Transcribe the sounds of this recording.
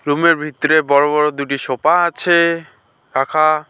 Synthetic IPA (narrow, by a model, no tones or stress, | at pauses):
ɾumeɾbʱit̪ːoɾebɔɾobɔɾod̪uʈiʃopaat͡ɕʰe | ɾakʰa